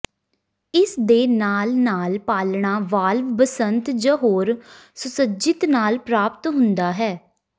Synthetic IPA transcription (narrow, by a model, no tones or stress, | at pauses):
ɪsd̪eːnaːlnaːlpaːlɳaːʋaːlʋbəsənt̪d͡ʒəɦoːɾ | sʊsəd͡ʒɪt̪naːlpɾaːpt̪ɦʊ̃nd̪aːɦɛː